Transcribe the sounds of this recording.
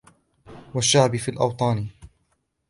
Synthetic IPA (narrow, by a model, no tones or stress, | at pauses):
waʃːaʕbɪfiːlʔɑ̰wt̪ˤɑːni